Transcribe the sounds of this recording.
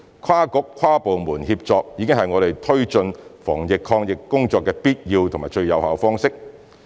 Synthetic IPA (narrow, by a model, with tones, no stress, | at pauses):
kʰaː˥kʊ˨˥kʰwaː˥po˨wmuː˨˩nhiː˧p̚t͡sɔː˨k̚jiː˨˧kɪ˥ŋɦɐ˨jŋɔː˨˧ɾe˨jt̪ʰɵ˥ɥt͡ʃɵ˧nfɔː˨˩ŋjɪ˨kʰːɔː˧ŋjɪ˨kːʊ˥ŋt͡sɔː˧kːɛː˧piː˥t̚jiː˧wt̪ʰʊ˨˩ŋmaː˨˩t͡ʃɵ˧ɥjɐ˨˧whaː˨˧wfɔː˥ŋsɪ˥k̚